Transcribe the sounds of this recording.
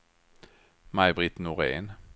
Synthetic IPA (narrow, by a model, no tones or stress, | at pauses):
maɪbʁɪt̪nʊʁḛːn